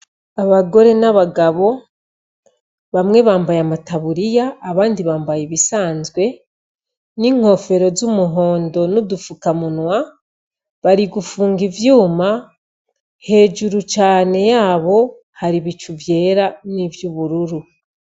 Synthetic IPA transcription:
aβaɡo̞ɾe̞naβaɡaβo̞ | βamŋe̞βaːmbajamataβuɾijaːβaːndiβaːmbajiβisaːnzɡwe̞ | niŋ̥ho̞fe̞ɾo̞zumuɦo̞ːndo̞nudufukamunwa | βaɾiɡufuːŋɡivjuːma | he̞ːd͡ʒuɾut͡ʃaːne̞jaːβo̞ | haɾiβit͡ʃuvje̞ːɾanivjuβuɾuɾu

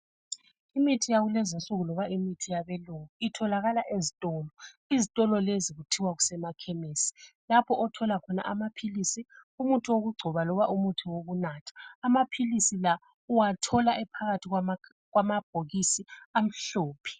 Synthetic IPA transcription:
imitʰijaɣulɛzinsʼuɣulɔβaimitʰijaβɛluŋuitʰɔlaɣalaʔezitʼɔːlɔ | izitʼɔlɔleziɣutʰiwaɣu̥sɛmakʰɛmesi̥lapʰɔʔɔtʰɔlakʰɔna̰ʔamapʰilisiumutʼiwoɣuɡ͡ǀʱɔβalɔβaʔumutʰiwoɣunaːtʰḁːmapʰilisila | uwatʰɔlaʔɛpʰaɣatʰiɣ | ɣwamab̥ʱoɣisiam̩ɬoːpʰi̥

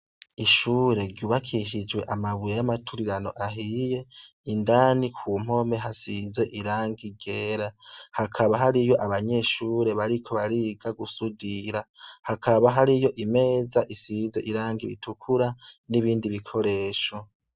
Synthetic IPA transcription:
iʃuːɾe̞ɾɟuːβakʰiʃ̬id͡ʒwe̞ʔamaβujejamatʰuɾiɾano̞̰ʔaɦije̞ | indaːnikʰuːm̥o̞me̞ɦasize̞ʔiɾaːŋɡiɟe̞ːɾahakʰaβaɦaɾijo̞ʔaβaɲe̞ʃuːɾe̞βaɾikʰo̞βaɾiɡaɡusudiɾahakʰaβaɦaɾijo̞ʔime̞ːzaʔisize̞ʔiɾaːŋɡiβḭtukʰuɾaniβiːndiβikʰo̞ɾe̞ːʃo

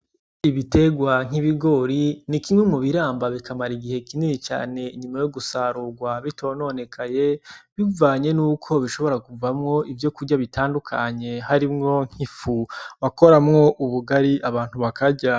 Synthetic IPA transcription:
iβite̞ɡwaŋ̥iβiɡo̞ɾinikimŋwemŋuβiɾaːmbaβikʰamaɾiɡihe̞kininit͡ʃa̰ːne̞iɲumajoɡusaɾuɡwaβitʰo̞ːno̞ne̞kʰaje̞βivaːɲe̞nuːkʰo̞βiʃo̞βo̞ɾakuvamŋo̞ʔivjo̞kuɟaβitaːndukʰaɲe̞haɾimŋo̞ŋ̥hifuβako̞ɾamŋo̞ʔuβuɡaɾiʔaβaːn̥huβakʰaɟa

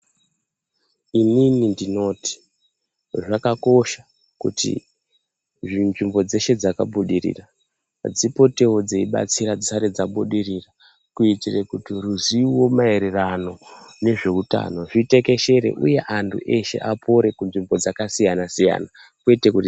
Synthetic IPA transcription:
ininindino̞ːti̥ | ʐakako̞ʃa | kṵtḭ | ʐinʐimbo̞d͡ze̞ʃe̞d͡zakaɓuɗirḭːra | d͡zipo̞te̞od͡zeiɓa̰t͡siɾad͡zisaɾed͡zaɓuɗirira | kuitire̞kutiruziwo̞mae̞ɾerano̞ne̞ʐe̞uta̰no̞ʐite̞ke̞ʃe̞ɾe̞̰ʔṵje̞ʔantʰṵʔe̞ʃe̞̰ʔapʰo̞ɾe̞kunʐimbo̞d͡zakasijanasija̰na | kwe̞te̞kuti

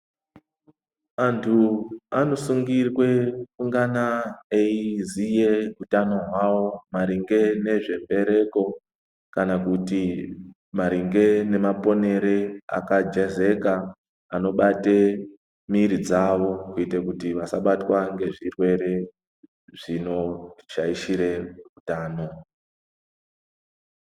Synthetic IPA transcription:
antʰuano̞suŋɡirwe̞kuŋɡanaeizije̞utano̞ɦwawo̞maɾiŋɡe̞ne̞ʐe̞mbe̞ɾe̞ko̞ | kanakuti | maɾiŋɡe̞ne̞mapo̞ne̞ɾea̰kad͡ʒeze̞kaː | no̞ɓate̞ | miɾid͡zaʋo̞kuitekutiʋasaɓatwaŋɡe̞ʐirwe̞ɾe̞ | ʐ̥ino̞t͡ʃaiʃiɾe̞utaːno̞

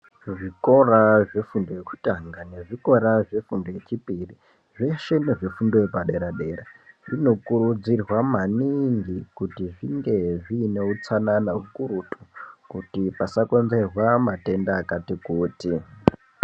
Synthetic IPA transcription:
ʐiko̞raʐe̞fundo̞jeku̥taŋɡane̞ʐiko̞ɾaʐe̞fundo̞je̞t͡ʃipiri | ʐe̞ʃe̞neʐefundojepaɗe̞ɾaɗe̞ɾaino̞kuɾud͡zirwamaniŋɡikutiʐiŋɡe̞ʐiːne̞ut͡sananaukuɾutʼu̥kutipasakonze̞rwamate̞ndaːkatikuːti

